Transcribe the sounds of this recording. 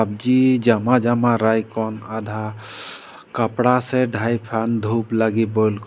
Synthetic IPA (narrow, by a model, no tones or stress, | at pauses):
ab̚d͡ʒid͡ʒamad͡ʒamaɾajkɔnad̪ʱa | kapɽasɛɖʱajpʰand̪ʱuplaɡibɔjlk